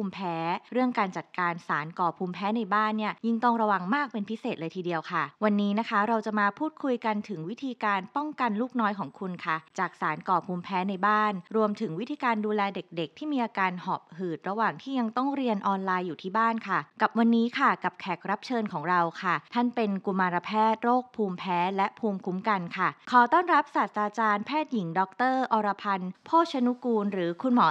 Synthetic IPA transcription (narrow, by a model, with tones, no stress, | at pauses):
puː˧mpʰɛː˦˥ɾɯ˥˩əŋkaː˧nt͡ɕa˨˩t̪̚kaː˧nsaː˩˦nkɔː˨˩pʰuː˧mpʰɛː˦˥na˧jbaː˥˩nːi˥˩ɐji˥˩ŋt̪ɔ˥˩ŋɾa˧wa˨˩ŋmaː˥˩k̚pe˧npʰi˦˥seː˨˩t̪̚lɤː˧jt̪ʰiː˧di˧əwkʰa˥˩wa˧nːiː˦˥na˦˥kʰa˦˥ɾa˧wt͡ɕa˨˩maː˧pʰuː˥˩t̪̚kʰu˧jka˧nt̪ʰɯ˩˦ŋwi˦˥t̪ʰiː˧kaː˧npɔ˥˩ŋka˧nluː˥˩k̚nɔː˦˥jkʰɔː˩˦ŋkʰu˧nkʰa˥˩t͡ɕaː˨˩k̚saː˩˦nkɔː˨˩pʰuː˧mpʰɛː˦˥na˧jbaː˥˩nɾu˧əmt̪ʰɯ˩˦ŋwi˦˥t̪ʰiː˧kaː˧nduː˧lɛː˧de˨˩k̚de˨˩k̚t̪ʰiː˥˩miː˧ʔaː˧kaː˧nhɔː˨˩p̚hɯː˨˩t̪̚ɾa˧waː˨˩ŋt̪ʰiː˥˩ja˧ŋt̪ɔ˥˩ŋɾi˧ənʔɔː˧nlaː˧jːuː˨˩iː˥˩baː˥˩nkʰa˥˩ka˨˩p̚wa˧nːiː˦˥kʰa˥˩ka˨˩p̚kʰɛ˨˩k̚ɾa˦˥p̚t͡ɕʰɤː˧nkʰɔː˩˦ŋɾa˧wkʰa˥˩t̪ʰa˥˩npe˧nku˧maː˧ɾa˧pʰɛː˥˩t̪̚ɾoː˥˩k̚pʰuː˧mpʰɛː˦˥lɛ˦˥ʔpʰuː˧mkʰu˦˥mka˧nkʰa˥˩kʰɔː˨˩˦t̪ɔː˥˩nɾa˦˥p̚saː˨˩t̪ːɾaː˧t͡ɕaː˧npʰɛː˥˩t̪̚ji˨˩˦ŋdɔ˦˥k̚t̪ɤː˥˩ʔɔː˧ɾa˧pʰa˧npʰoː˥˩t̪̚t͡ɕʰa˧nu˦˥kuː˧nɾɯː˩˦kʰu˧nmɔː˩˦